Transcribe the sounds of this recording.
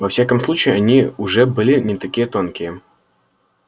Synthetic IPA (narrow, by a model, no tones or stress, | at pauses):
vɐfsʲakəmslˠut͡ɕɪjɪɐnʲiʊʐɛbɨlʲɪnʲɪt̪ɐkʲijət̪o̞nkʲɪjə